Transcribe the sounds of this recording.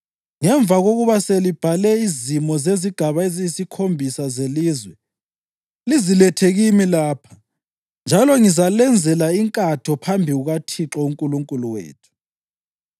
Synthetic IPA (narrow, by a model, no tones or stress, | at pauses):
ŋɛɱvaɣoɣuβaselib̥ʱalɛizimɔzeziɡ̥ʱaβaezisikʰombʱisazeliːzwɛ | lizilɛtʰeɣimilaːpʰḁ | nd͡ʒʱalɔŋizalɛnd͡zʱɛlaiŋkʼatʰɔpʰambʱiɣuɣatʰiǁɔuŋkʼuluŋkʼuluwḛːtʰu̥